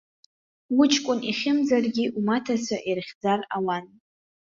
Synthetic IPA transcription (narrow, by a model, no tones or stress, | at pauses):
wʊt͡ʃʰkʷʼʊnʔiχʲɪmd͡zarɡʲiʔumatʰasʷʰaʔirχʲd͡zarawan